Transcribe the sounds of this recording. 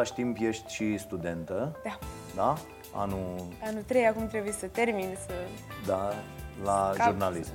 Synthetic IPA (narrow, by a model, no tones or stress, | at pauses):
aʃʲt̪impje̞ʃt̪ʲʃist̪ud̪e̞nt̪əd̪a | d̪a | a̰nuanut̪ɾejakumt̪ɾebujesət̪erminsəd̪alaʒurnalism